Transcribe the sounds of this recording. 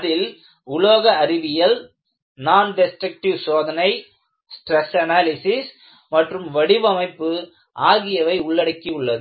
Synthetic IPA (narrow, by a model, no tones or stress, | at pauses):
ɐðɪl | ʊɭoːɣɐːrɪʋɪjɐl | naːnɖɛsʈɾɐk̚ʈɪʋsoːðɐnɐɪ | sʈrɛsɐnaːlɪsɪs | mɐʈrɯmʋɐɽɪʋɐmɐɪpːɯ | ʔaːɣɪjɐʋɐɪʊɭːɐɽɐkːiʊɭːɐðɯ